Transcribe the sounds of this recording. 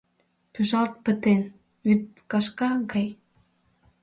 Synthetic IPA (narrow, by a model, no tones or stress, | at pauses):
pyʒɑlt̪̚pə̆t̪en | yt̪̚kɑʃkɑɡɑj